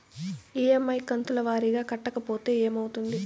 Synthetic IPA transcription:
iːemːɐjkɐnt̪ulɐʋaːɾiɡaːkɐʈːɐkɐpo̞ːt̪e̞ːeːmɐwut̪und̪i

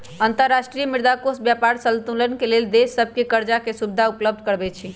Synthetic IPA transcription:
ənt̪əɾːasʈɾijəmiɾd̪akosbjapaɾsəlt̪ulənkeleld̪esːəb̚ʱkekəɾd͡ʒakesubd̪ʱaupləb̚d̪ʱkəɾbɛt͡ʃʰi

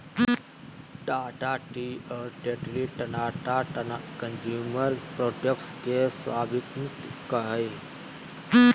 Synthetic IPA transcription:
ɖaːʈaʈiɔːɾʈeːʈliʈɐnaːʈakənd͡ʒuːməɾpɾoːʈekʈskesʋaːbɪt̪mt̪kəɦəe

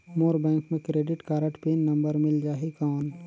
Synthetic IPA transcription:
moːɾbɛ̃ːŋkmẽkɾeːɖɪʈkaːɾəʈpiːnːɐ̃mbəɾmɪld͡ʒaːɦikaːn

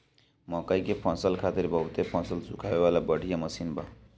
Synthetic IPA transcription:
mɔkəikepʰɔ̃səlkʰat̪iɾbəɦut̪epʰɔ̃nsəlsukʰabewalabəɽ̤ʱijaməsinba

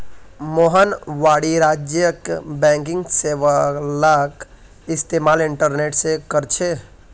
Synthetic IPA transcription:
moɦənʋaɽiɾaːd͡ʒjəkbɛ̃ŋkɪ̃ŋɡseʋəlak | ɪst̪emaːlɪɳʈəɾneːʈsekəɾt͡ʃʰe

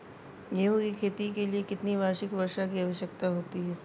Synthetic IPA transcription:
jeɦũkikʰeːt̪ikeliekɪt̪niʋaːʃɪkʋɐɾʃakiaʋəʃjək̚t̪aɦoːt̪iɦɛː

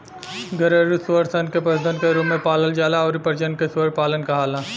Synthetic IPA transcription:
ɡʱɐɾeɾusʋəɾsɐnkepɐsd̪ə̃nkeɾuːmːẽpaːləld͡ʒaːlaɔːɾipəɾd͡ʒənkesʋəɾpaːlənkaɦaːlaː

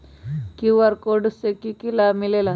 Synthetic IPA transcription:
kiʋaɾkoɖusekikilamilela

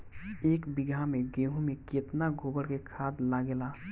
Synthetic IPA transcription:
eːkbɪɡʱamẽɡeːɦũmẽkeːt̪naɡʱoːbəɽkekʰaːd̪laːɡelaː

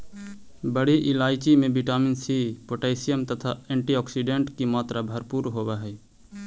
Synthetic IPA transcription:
bəɽiʔɪlaːjt͡ʃimẽbiʈaːminsipoʈeːɪsijəmt̪ət̪ʰaɛ̃ːɳʈiɔːksiɖẽɳʈkimaːt̪ɾabʱəɾpuɾɦoːbaɦɛ

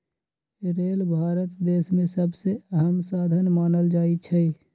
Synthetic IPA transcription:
ɾeːlbʱaːɾət̪d̪eːsmẽsəbseəɦəmsaːd̪ʱənmaːnəld͡ʒaːit͡ʃʰɛ

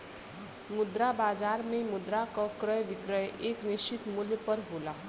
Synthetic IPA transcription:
mud̪ɾabad͡zaɾmemud̪ɾakɔkɾʌjbikɾʌjeknist͡ʃit̪muljpʌɾɦola

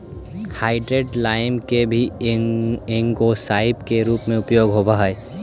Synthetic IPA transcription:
haːɪɖɾeːɖlaːɪmkebʱi | ẽŋɡosaːɪpkeɾuːpmẽʊpjoːɡɦoːbaɦɛe

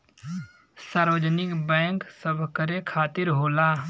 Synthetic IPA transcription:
saːɾʋəd͡ʒnɪkbɛ̃ːŋksəbʱkəɾekʰaːt̪ɪɾɦoːlaː

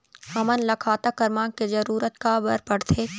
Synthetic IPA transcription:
hɐmənlɐkʰaːt̪akɐɾmãːkezɐɾuːɾət̪kabɐɾpəɽt̪ʰeː

